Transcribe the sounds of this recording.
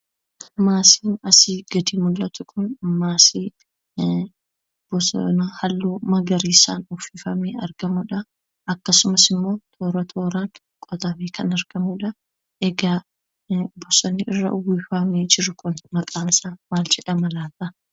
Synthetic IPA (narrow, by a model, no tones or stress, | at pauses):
maːsiːnɐsɪɡ̥ɐd̪ɪmʊlːɐt̪ʊkʰʊnmaːsi | bɔsnɐhɐlːuːmɐɡɐɾiːsa̰ːnʊfifɐmeːɐɾɡɐmʊᶑɐ | ɐkːɐsʊmɐsɪmːo̞ːt̪ʰo̞ːɾɐt̪ʰo̞ːɾaŋ | kʼɔt̪ʼɐbeːkʰɐnɐɾɡ̥ɐmuᶑɐ | ʔɛɡaː | bɔsɔnːɪʔɪrːɐ̰ʊwiːfɐmeːd͡ʒɪɾʊkʊnmɐkʼaːsamaːld͡ʒɛᶑɐmɐlaːt̪ɐ